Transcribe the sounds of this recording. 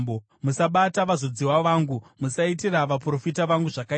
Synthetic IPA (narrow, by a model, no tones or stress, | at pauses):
bo | musaɓataʋazod͡ziwaʋaːŋɡumusaitiraʋapro̞fitaʋaŋɡuʐaka